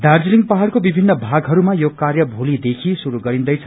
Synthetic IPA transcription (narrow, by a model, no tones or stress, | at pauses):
d̪ard͡ziliŋɡpaɦalkobibʱinːʌbʱaɡɦʌɾumajokarjʌbʱulid̪ekʰisuɾuɡʌɾĩnd̪ʌjt͡sʰʌ̥